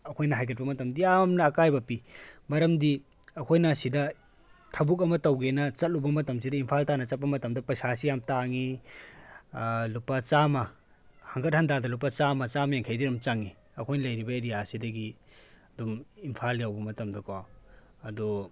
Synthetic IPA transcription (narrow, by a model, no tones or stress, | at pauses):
ɐkʰojnɐɦajɡɐt̚pɐmɐtɐmdijamnɐːkajbɐpimɐɾɐmdi | ɐkʰojnasidɐ | tʰɐbuk̬ɐmɐtɐwɡenɐt͡ʃɐt̚lubɐmɐtɐms̬idɐimpʰaltanɐt͡ʃɐt̚pːɐmɐtɐmdɐpɐsas̬ijamtaŋi | lupːɐt͡ʃamɐ | hɐŋɡɐt̚hɐndadɐlupːɐt͡ʃamɐt͡ʃamɐjeŋkʰajdiɾumt͡ʃaŋi | ɐkʰojnɐlɐjɾibɐeɾijasidɐɡiɐdumimpʰaljawbɐmɐtɐmdɐkʰo | ɐdu